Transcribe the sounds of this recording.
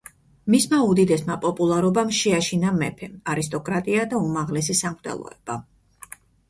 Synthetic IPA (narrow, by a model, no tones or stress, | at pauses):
mismaud̪id̪ɛsmapʼɔpʼulˠaɾɔbamʃɛaʃinamɛpʰɛaɾist̪ʼɔkʼɾat̪ʼiad̪aumaʁlɛs̬isamɾt̪ʰʼɛ̰lˠɔ̰ɛb̥a